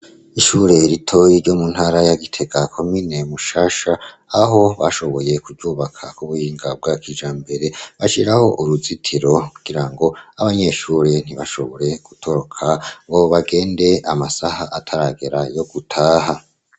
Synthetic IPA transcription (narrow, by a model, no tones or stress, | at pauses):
iʃuɾe̞ɾitʰo̞jiɾɟo̞mun̥haɾajaɡitʰe̞ɡakʰo̞mine̞muʃaːʃaː | ɦo̞βaʃo̞βo̞je̞kuɟuːβakʰakuβuhiːŋɡab̚ɡakid͡ʒaːmbe̞ɾe̞βaʃiɾaho̞ʔuɾuzitʰiɾo̞kuɡ̥iɾaŋɡo̞aβaɲe̞ʃuːɾe̞n̥iβaʃo̞βo̞ɾe̞ɡ̥utʰo̞ɾo̞kʰaŋɡo̞βaɡe̞ːnde̞amasahaʔatʰaɾaɡe̞ɾajo̞ɡ̥utʰaːɦa